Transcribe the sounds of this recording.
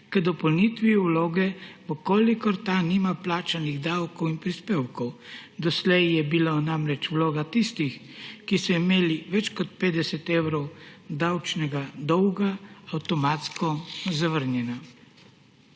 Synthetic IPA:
kəd̪ɔpɔlnit̪ʋiwloːɡɛʋəkoːlikɔɾt̪animaplaːt͡ʃaniɣd̪awkɔwinpɾispeːwkɔwd̪ɔslɛjjɛbilanamɾɛt͡ʃwloːɡat̪ist̪ix | kisɔimeːliʋɛt͡ʃkɔt̪̚peːd̪ɛsɛt̪eːwɾɔwd̪awt͡ʃnɛɡad̪ɔwɡaawt̪ɔmaːt̪skɔzaʋəɾnjɛna

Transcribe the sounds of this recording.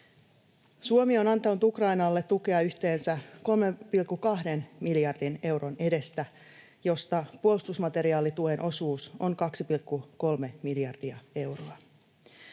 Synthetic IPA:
suomio̞nɑnt̪ɑnut̪ukrɑinɑlːet̪tːuke̞ɑyçt̪e̞ːnsæko̞lmempilkːukɑhde̞nmiljɑrdine̞wɾo̞ne̞de̞st̪æ | jo̞st̪ɑpuolist̪usmɑt̪e̞ɾiɑːlit̪uenʔo̞suːso̞ŋkɑksipilkːuko̞lme̞miljɑrd̥iɑe̞wroɑ

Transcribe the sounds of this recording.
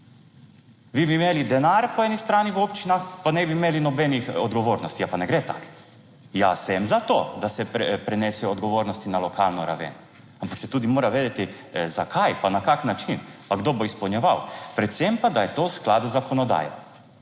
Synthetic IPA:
ʋibiːmeːlid̪ɛnaɾpɔɛːnist̪ɾaːniwopt͡ʃinaxpanɛbimeːlinɔbɛnixɔd̪ɡɔʋoɾnɔst̪ijapanɛɡɾɛt̪a̰k | jasɛmzat̪oːd̪asɛpɾɛnɛsɛɔɔd̪ɡɔʋoːɾnɔst̪inalɔkʰa̰lnɔɾa̰ʋḛn | ampaksɛt̪uːd̪imoːɾaʋeːd̪ɛt̪i | zakʰajpanakaknat͡ʃinpaɡd̪oːboispɔwnjɛʋawpɾɛt̪sɛmpad̪ajɛt̪oːsklaːd̪zakɔnɔd̪a̰ːja̰

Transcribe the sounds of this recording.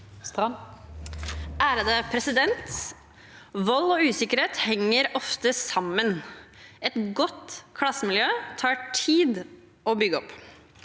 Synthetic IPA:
ʔæːɾəd̪əpʰɾɛsɪd̪ɛnt̪ | ʋɔlːɔːʉːsɪkəɾeːt̪hɛŋːəɾɔft̪əsɑmːən | ɛt̪ɡɔt̪kʰlɑsəmɪljøːt̪ʰɑːʈʰiːd̪ | ʔoːbʏɡəɔp

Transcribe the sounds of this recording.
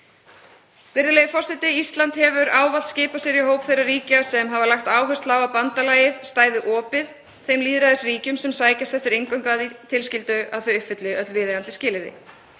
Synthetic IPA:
vɪɾðɪlejɪfɔr̥sɪt̪ɪist̪lant̪hɛvʏɾaːwval̥t̪scɪːpasjɛɾiɦoːwpθejrariːcasɛmɦavalaxt̪aːwɦœst̪laːwapant̪alaːjɪðst̪aːjðɪʔɔːpɪð | θejmliːðɾaðɛsriːcʏmsɛmsaːjcast̪ɛft̪ɪɾejŋkœŋkaðit̪ʰɪlscɪlt̪ʏaðθœɥʏhpfɪt̪lɪœt̪lvɪːðɪant̪ɪ̥scɪːlɪɾðɪ̰

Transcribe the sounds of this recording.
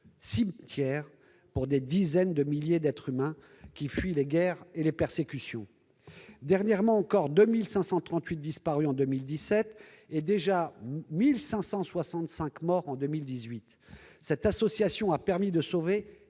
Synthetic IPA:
simt̪jɛʁ | puʁd̪ed̪izɛnd̪əmiljed̪ɛt̪χymɛ̃ | kʲifɥileɡɛʁelepɛʁsekʲysjɔ̰̃ | d̪ɛʁnjɛʁmɑ̃ːkɔʁd̪ømilsɛ̃sɑ̃t̪χɑ̃t̪ɥit̪̚d̪ispaʁyɑ̃d̪ømild̪isɛt̪ | ed̪eʒamilsɛ̃sɑ̃swasɑ̃t̪sɛ̃kmɔʁɑ̃d̪ømild̪izɥit̪ | sɛt̪asɔsjasjɔ̃apɛʁmid̪əsove

